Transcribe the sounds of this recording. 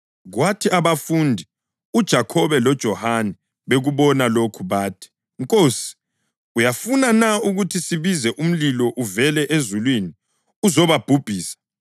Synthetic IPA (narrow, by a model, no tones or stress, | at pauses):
ɣwatʰiaβafundʱi | ud̥ʒ̥ʱakʰɔβɛlɔd̥ʒ̥ʱɔhanɛ | βeɣuβɔnalokʰuβaːtʰi̥ | ŋkʼoːsi̥ | ujafunanauɣutʰisiβizɛʔum̩lilɔʔuvɛlɛʔezulwini | uzɔβab̥ʱub̥ʱiːsḁ